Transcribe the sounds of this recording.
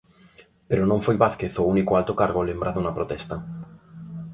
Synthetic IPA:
peɾonõɱfojβaθkeθounikoalt̪okaɾɣolembɾaðunapɾot̪ɛst̪a

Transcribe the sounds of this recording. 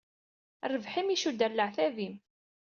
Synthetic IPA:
rˤəvħimiʃud̪ælːəʕθæðim

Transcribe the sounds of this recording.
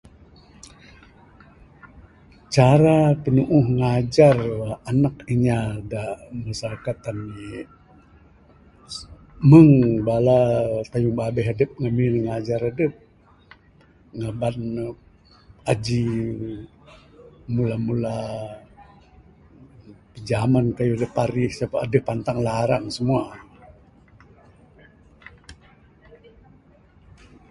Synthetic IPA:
t͡ʃaɾapənuʔʊhŋad͡ʒaranakiɲadamasaɾakat̪ani | məŋbalat̪ajuŋbabɛɦadəp̚ŋaminŋad͡ʒaɾadəp̚ | ŋaban | ad͡ʒi | mulamula | pəd͡ʒamankajudəpaɾisapaːdəpːant̪aŋlaɾaŋsəmua

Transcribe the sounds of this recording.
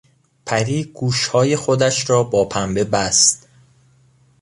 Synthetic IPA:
pʰæɾiːɡuːʃhɒːje̞xod̪æʃɾɒːbɒːpʰæmbe̞bæst̪

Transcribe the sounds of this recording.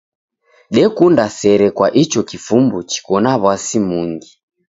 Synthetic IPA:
ɗɛkundasɛɾɛkwaʔit͡ʃɔkifumbut͡ʃi̥kɔnaβwasimuŋɡi

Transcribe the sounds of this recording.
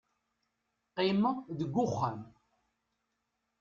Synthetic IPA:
qiməðəɡʷːʊχːən

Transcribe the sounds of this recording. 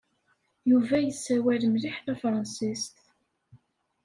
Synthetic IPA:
juvæjəsːæwælmliħθæfɾˤɑnsist̪

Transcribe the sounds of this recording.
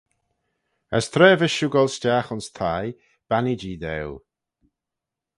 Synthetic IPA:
ə̰st̪ʰɾɛːvəʃuɡɔlˠstʲaːxʊnst̪ʰaj | b̥anid͡ʒiːd̪ɛw

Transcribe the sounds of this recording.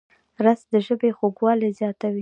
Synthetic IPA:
ɾasd̪əʒəbexoɡwɑlezjɑt̪awi

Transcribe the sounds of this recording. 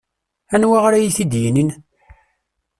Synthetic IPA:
ænwaʁɾæjiθid̪jinin

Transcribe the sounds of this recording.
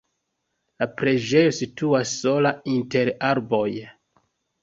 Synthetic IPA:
lapɾe̞d͡ʒe̞jo̞situasːo̞lainte̞ɾaɾbo̞j

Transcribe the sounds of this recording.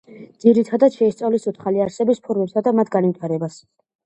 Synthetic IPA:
dd̪z̥iɾit̪ʰad̪at̪ʃɛst̪sʼavlisut̪ʰχaliaɾsɛbispʰɔɾmɛpsʰad̪amat̪ʰɡanvit̪ʰaɾɛbas

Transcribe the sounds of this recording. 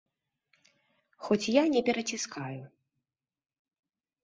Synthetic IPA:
xɔt͡sʲjanʲɛpʲɛɾɐt͡sʲiskʰaju

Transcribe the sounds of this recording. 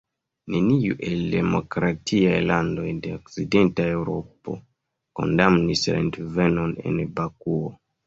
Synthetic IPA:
ne̞niuʔe̞lde̞mo̞̰kɾatʰiajlando̞jde̞okside̞ntae̞wɾo̞̰po̞̰ | ko̞̰ndamnisla̰ntve̞no̞ne̞̰nbakuo

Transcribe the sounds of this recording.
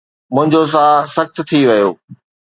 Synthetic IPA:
mʊ̃ɦɪ̃ɲd͡ʑos̬ãːsɐxt̪̆ʰt̪ʰiʋɐjoː

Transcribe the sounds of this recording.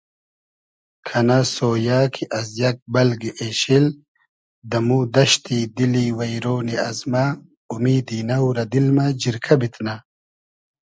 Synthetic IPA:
kʰɐnasoːjaːkʰiʔɐzjɐk̚bɐlɡiʔeɕil | d̪ɐmud̪ɐɕt̪id̪iliwɐjɾoːniɐzma | umiːd̪iːnɐwɾɐd̪ilmad͡ʑiɾkʰɐbit̪na

